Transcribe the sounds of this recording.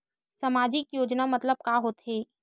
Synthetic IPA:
səmaːd͡ʒɪkjoːd͡ʒnamɐt̪ləb̚kaːɦoːt̪ɦɛː

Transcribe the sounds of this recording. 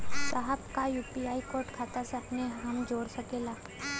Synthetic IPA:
saɦəbkajuːpiaːikoːɾʈkʰaːt̪aseɐpneɦɐmd͡ʒoːɽsɐkeːlaː

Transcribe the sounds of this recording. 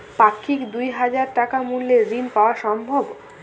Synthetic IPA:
pakʰːikd̪ujɦad͡ʑaɾʈakamulleɾinpaoaʃɔmbʱob

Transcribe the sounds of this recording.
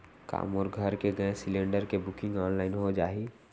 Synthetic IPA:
ka̰ːmoɾɡʱəɾkeɡɐẽsɪlẽːɳɖəɾkebʊkɪ̃ŋɡɔːnlaːɪnɦod͡ʒaːiː

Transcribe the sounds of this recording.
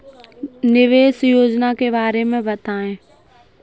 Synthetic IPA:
nɪʋeːsjoːd͡ʑnakebaːɾemẽbɐt̪ʰaːɦẽː

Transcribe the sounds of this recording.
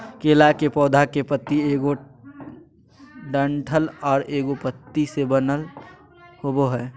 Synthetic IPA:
keːlakepɔːd̪ʱakepət̪ːieːɡo | ɖəɳʈʰəlɔːɾeːɡopət̪ːisebənəl | hoboɦɛː

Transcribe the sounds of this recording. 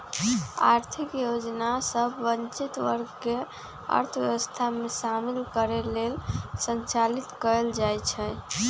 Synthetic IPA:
a̰ɾt̪ʰikjod͡ʒnasəbːənt͡ʃit̪ʋə̰ɾɡke | ə̰ɾt̪ʰʋjeʋəst̪ʰamesamilkəɾelelsənt͡ʃalit̪kəeld͡ʒajt͡ʃʰɛ

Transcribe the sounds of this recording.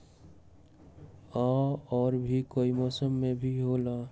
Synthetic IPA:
aɔːɾbʱikoːimɔːsəmːẽbʱiɦoːla

